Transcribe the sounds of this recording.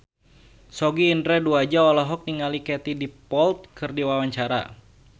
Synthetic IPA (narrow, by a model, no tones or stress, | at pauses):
sɔɡiːndɾɛduad͡ʒaɔlɔɦɔk̚niŋalikɛt̪idipɔlt̪̚kʰɨrdiwawaɲt͡ʃaɾa̰